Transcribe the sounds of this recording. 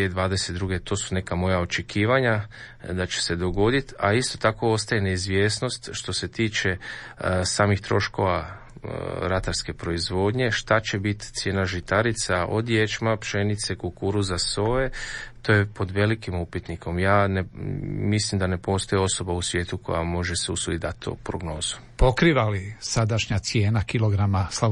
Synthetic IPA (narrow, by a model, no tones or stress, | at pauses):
ed̪ʋaːd̪eset̪̚d̪ɾuːɡe̞t̪o̞ːsune̞kamo̞jaot͡ʃe̞kiːʋaɲa | d̪at͡ɕe̥se̞d̪o̞ɡo̞d̪it̪aist̪o̞t̪ako̞o̞st̪ajeneizʋje̞ːsno̞st̪ʃt̪o̞se̞t̪iːt͡ʃe̞ | saːmixt̪ɾo̞̰ʃko̞ʋa | ɾat̪aɾske̞pɾo̞izʋo̞ːd̪ɲe̞ʃt̪at͡ɕe̞bit̪t̪sje̞ːnaʒit̪aɾit̪saʔo̞̰d̪jet͡ʃmapʃe̞nit̪se̞kulkuɾuzaso̞et̪oːjepo̞d̪ʋe̞likimupit̪niko̞mjaːnemislimd̪ane̞po̞st̪o̞jeo̞so̞bausʋje̞ːt̪ukʰo̞̰jamo̞ʒe̞seusuid̪at̪ːo̰pɾoɡno̞ːz̥u̥ | po̞kɾiʋalisad̪aʃɲat̪sje̞ːnakiloɡɾamasla